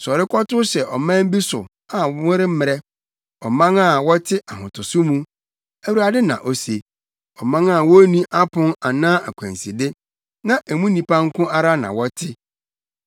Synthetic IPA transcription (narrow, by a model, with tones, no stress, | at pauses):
sɔ˨ɾɪ˦kʰɔ˦tʊ˦ɕɛ˨ʔɔ˨mã˦m˦bi˦sʊ̰˨ | a˨˦wʊ̃˦ɾɪ˦m̩˦mɪ̃˨ɾɛ˦ | ɔ˨mã˦ŋa˦˨wɔ˦tʰɪ˦ʔa˨hʊ̃˨tʊ˨sʊ˦mũ˦ | æ˨wu˨ɾa˨dɪ˦nã̰˨ʔo˨se˨ | ɔ˨mã˦ŋa˦˨wɔ˦nĩ˦ʔa˦pʰʊ̃˦na˨nãː˦a˨kʷʰæ̰̃˨nsi˨dɪ˦ | nã˦ʔæ˨mũ˦nĩ˨pã˦ŋ̩˦kʊ̃˦a˦ɾa˦nã̰˨wɔ˦tʰɪ˦